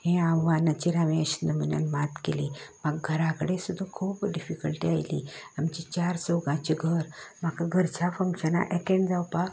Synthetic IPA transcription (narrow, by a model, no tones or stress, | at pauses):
hẽãʋʋãnat͡ɕiɾaʋẽəɕə̥nd̪əmənja̰nmat̪keliːməɡɡʱəɾãkəɽesud̪ʱːəkʰuːpɖifikəlʈiajlḭamt͡ɕit͡ɕaɾsoɡãt͡ɕiɡʱəɾmakaɡʱəɾt͡ɕafəŋɕəna̰ʔɛkeɳd͡zawpa